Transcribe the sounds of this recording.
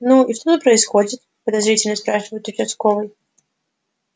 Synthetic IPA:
nuiʂt̪ot̪əpɾəɪsxo̞dʲɪt̪ | pəd̪azɾʲitʲɪlʲnəspɾaʂɨvəjʊt̪ʊt͡ɕɪst̪kovɨj

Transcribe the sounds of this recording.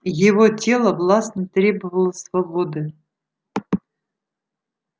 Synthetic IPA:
jɪvotʲelˠəvlˠɑsnət̪ɾʲebəvəlˠəsvɐbod̪ɨ

